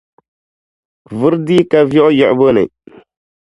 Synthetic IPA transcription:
vɨ˦ɾdi˦ka˦vɔ˦ʔjɔ˨ʔbo˦nɨ̰˨

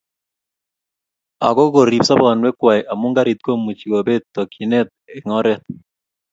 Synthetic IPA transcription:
a̰˨kɔ˦ɡo˨ɾi˨psa˦ba˨nwɛ˦kwa˨jʔa˨mu˦ŋɡa˦ɾi˨t̪̚ko˦mu˨t͡ʃi˨ɡo˨be˦t̪ːɔ˨kʰi˨nɛ˦t̪̚ɛ˨ŋɔ˦ɾɛ˦t̪̚

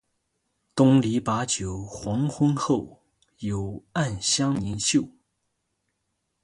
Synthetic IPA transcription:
t̪ʊ˥ŋli˧˥pa˧˥t͡ɕjo˨˩ʊxwɑ˧˥ŋxwə˥nxo˥˩ʊ | jo˨˩ʊa˥˩nɕjɑ˥ŋni˧˥nɕjo˥˩ʊ

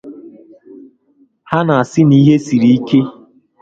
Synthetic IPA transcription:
ha˦na˨a˨sɪ˦ni˦ɦe˦si˨ɾi˨i˦ke˦

